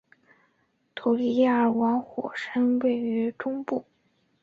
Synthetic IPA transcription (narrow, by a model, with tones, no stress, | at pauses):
t̪ʰu˨˧˩li˥ja˥˩ə˨˩wɑ˧˥ŋxwɔ̰˨˩ʂə˥nwe˥˩ɪy˧˥ʈ͡ʂʊ˥ŋpu˥˩